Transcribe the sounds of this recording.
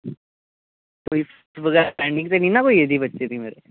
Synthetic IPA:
koːif | sʋɐɡɛːɾapɾɛ̃ɳɖɪ̃ŋt̪eninakoːied̪ʱibətːʃet̪ʰimeːɾe

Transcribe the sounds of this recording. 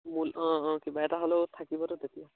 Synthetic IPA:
mulɔ̃kibaʈaɦɔlowt̪ʰakibɔɾot̪et̪ija

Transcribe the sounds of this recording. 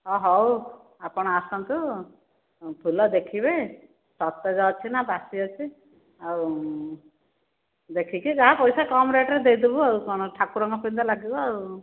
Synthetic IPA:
ɔɦɔw | apɔɽ̃ɔasant̪u | pʰulɔd̪ekʰibe | sɔt̪ːɔd͡ʒat͡ʃʰinabasiɔt͡ʃʰi | au | d̪ekʰikid͡ʒaɦãpɔjsakɔmɾeʈɾed̪ejd̪ibɔaukɔñɔʈʰakuɾɔŋɡɔpind̪ɔlaɡibɔau

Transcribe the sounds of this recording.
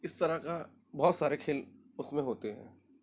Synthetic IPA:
ɪst̪ɐɾaka | bɔːt̪saːɾekʰeːl | ʊsmẽɦoːt̪eɦɛ̰̃ː

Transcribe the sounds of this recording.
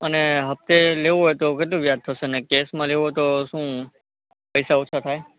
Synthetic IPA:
əneɦəft̪eleʋɦojt̪oket̪lũʋjad̪̚t̪ʰəʃeənekesmãleʋot̪oʃũː | pəjsaot͡ʃʰat̪ʰaj

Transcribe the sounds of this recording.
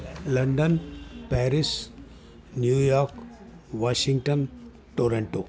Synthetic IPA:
lɐɳɖənpɛːɾis | njuːjaːɾk | ʋaːʃiŋɡʈən | ʈoːɾẽɳʈoː

